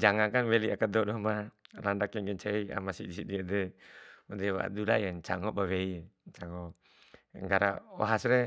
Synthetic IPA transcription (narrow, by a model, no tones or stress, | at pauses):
d͡ʒaŋakanwɛliakadɔdɔmalandakjaŋɡɛɲt͡ʃaia̰masḭdisidiadɛud̪ɛwa̰dulajant͡ʃaŋɔbaweit͡ʃaŋɔ | ŋɡaɾa̰ɔ̰ɦasɾɛ